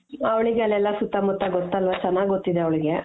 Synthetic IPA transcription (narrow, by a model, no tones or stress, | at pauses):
ɐʋɐɭiɡeɐlɛlːɐsut̪ːamut̪ːaɡɔt̪ːɐlʋat͡ʃɛnːaːɡɡot̪ːid̪eɐʋɐɭiɡe